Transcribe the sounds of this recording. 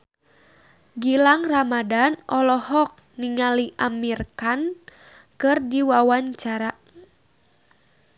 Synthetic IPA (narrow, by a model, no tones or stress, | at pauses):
ɡilaŋramadanʔɔlɔhɔk̚niŋaliʔamirkan | kɨrdiwawaɲt͡ʃaɾa